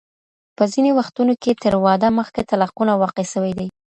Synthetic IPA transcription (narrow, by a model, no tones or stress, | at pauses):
pəzinewaxt̪unoket̪əɾwɑd̪aməxkat̪alaqunawɑqeʃəwajd̪aj